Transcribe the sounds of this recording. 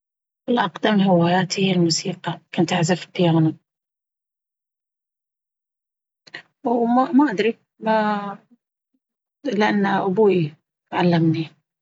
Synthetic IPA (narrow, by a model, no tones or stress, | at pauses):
wɪlʔɑqd̪amnɦɪwaːjaːt̪hɪjːalmuːsiːqɑkʊnt̪ʔaʕzafq̪ːɪjaːna | wmamaʔad̪ɾi | ma | lɪʔanːaʔʊbuːi | ʕalːamni